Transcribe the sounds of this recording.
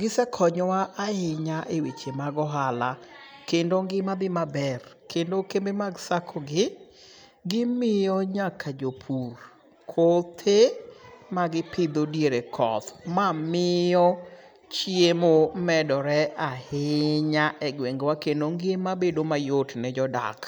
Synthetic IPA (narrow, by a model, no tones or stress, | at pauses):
ɡɪsɛkʰɔɲɔwaʔahɪɲaʔewet͡ʃemaɡɔɦalakendoŋɡɪmad̪ɪmabɛr | kendokembemaɡsakʰɔɡɪ | ɡɪmɪjɔɲakʰad͡ʒopʰur | kʰot̪ʰemaɡɪpʰɪd̪odieɾekʰɔ̰t̪mamɪɔ | t͡ʃjemomɛdɔɾɛʔahɪɲaʔɛɡweŋɡwakendoŋɡemabedomajotnɛd͡ʒɔda̰k